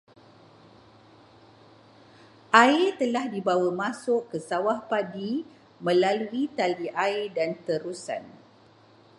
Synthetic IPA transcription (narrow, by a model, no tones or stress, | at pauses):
ʔaɪrt̪əlahdibawamãsʊʔkəsawahpadi | mə̃laluit̪aliʔaɪrdant̪əɾusa̰n